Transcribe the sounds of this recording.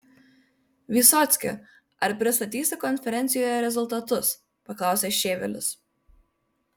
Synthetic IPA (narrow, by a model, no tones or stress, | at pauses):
ʋʲiːˑsɔːt̪sʲkʲɪ̰ | ɐɾpʲɾʲɪst̪ɐt̪ʲiːsʲɪkɔnʲfʲɛɾʲɛnʲɪjoːjɛɾʲɛzʊlˠt̪ɐt̪ʊs | pɐklˠɑˑʊsʲeːʃʲeːʋʲɛ̰lʲʊ̰s